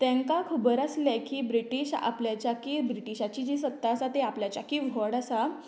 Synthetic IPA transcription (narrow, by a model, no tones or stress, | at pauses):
t̪ɛ̃ŋkakʰubəɾəslakiːbɾiʈiɕa̰pljat͡ɕjakiːbɾiʈiɕat͡ɕiːd͡ʑisət̪ːaːsat̪eapljat͡ɕakiʋʱɔɽasa